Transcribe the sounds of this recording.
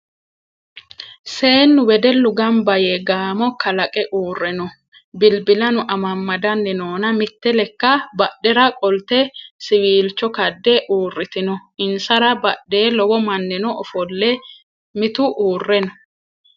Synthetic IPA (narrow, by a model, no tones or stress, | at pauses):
se̞ːnːʊwɛd̪ɛlːʊɡɐmbɐjɛɡaːmɔkɐlɐkʼɛʔuːrːɛnɔ | bɪlbɪlɐnʊʔɐmɐmːɐd̪ɐnːɪnoːnɐmɪt̪ːɛlɛkːɐbɐɗːɛɾɐkʼɔlt̪ɛsɪwiːlt͡ʃːɔkɐd̪ːɛʔuːrːɪt̪ɪnɔɪnsɐɾɐbɐɗeːlɔwɔmɐnːɛnɔɔfɔlːɛ | mɪt̪ʊʔuːrːɛnɔ̥